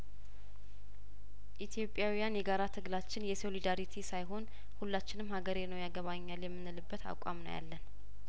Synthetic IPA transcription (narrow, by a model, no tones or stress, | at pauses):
ʔit̪ʰjo̞pʼːjawijanjɛɡaɾat̪ʰɨɡlat͡ʃːɪnjɛso̞lid̪aɾit̪ʰisajɦo̞n | hulːat͡ʃːɪnɨmhaɡəɾenəwjaɡəβaɲːaljɛmːɨnːɨlɨbːət̪a̰kʼa̰mnə̰wja̰lːən